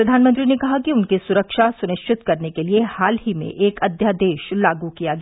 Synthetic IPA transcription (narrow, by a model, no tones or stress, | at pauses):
pɾɐd̪ʱaːnmə̃nt̪ɾinekɐɦakiʊnkisʊɾəkʃasʊnɪʃt͡ʃʰɪt̪kɐɾnekeliehaːlɦimḛ̃ʔeːkɐd̪ʱjad̪eːʃlaːɡukijaɡɐ